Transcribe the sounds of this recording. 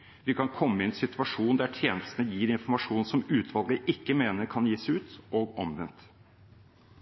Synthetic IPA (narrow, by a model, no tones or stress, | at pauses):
ʋɪkʰɑnkʰɔmːəɪɛnsɪt̪ʉɑʂuːnd̪æʈʰjeːnəst̪ənəjiːɾɪnfɔɾmɑʂuːnsɔmʉːt̪ʰʋɑlɡəʔɪkːəmeːnəɾkʰɑnjiːsæʉːt̪ʔɔɡɔmʋɛnt̪